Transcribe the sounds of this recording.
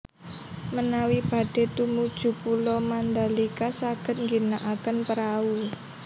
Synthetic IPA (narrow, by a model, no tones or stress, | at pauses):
mənawib̥a̤ɖ̥e̤t̪umud̥ʒ̥ṳpulɔmand̪alikasaɡ̥ə̤t̪̚ŋɡinaʔakənpəɾau